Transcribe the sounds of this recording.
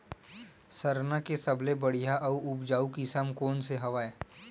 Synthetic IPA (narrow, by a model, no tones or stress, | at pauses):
sɐɾnakesɐblebɐɽ̤ijaʔɐuʔʊbd͡ʒaːukisəmkoːnseɦɐʋaːeː